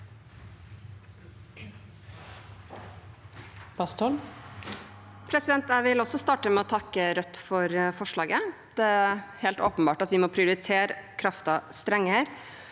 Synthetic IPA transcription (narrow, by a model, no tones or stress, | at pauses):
b̥ɑst̪ʰɔl | pʰɾɛsɪd̪ɛnt̪æɪʋɪlɔsɔst̪ɑːʈəmɛoːt̪ʰɑkːəɾœt̪ːfɔɾfɔʂɭɑːɡəd̪̥ɛːheːlt̪oːpənbɑːʈɑt̪ʋɪmoːpʰɾɪʊɾɪt̪ʰeːɾəkʰɾɑft̪ɑst̪ɾɛŋːəɾ